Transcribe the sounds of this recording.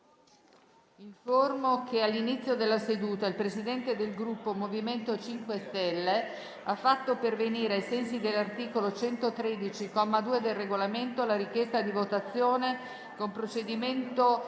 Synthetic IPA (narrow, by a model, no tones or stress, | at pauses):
iɱformokealːinit̪sːjod̪elːased̪uːt̪ailpɾesid̪ɛnt̪ed̪elɡɾupːomoviment̪ot͡ʃiŋkwest̪ɛlːe | afːat̪ːoperveniːɾeajsɛnsid̪elːart̪iːkolot͡ʃɛnt̪ot̪ɾed̪it͡ʃikɔmːad̪uːed̪elreɡolament̪olaɾikjɛst̪ad̪ivot̪at̪sːjoːne | kompɾot͡ʃed̪iment̪o